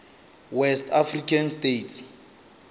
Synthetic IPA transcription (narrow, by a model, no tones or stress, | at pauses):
wɛstafrikʰanstetʰs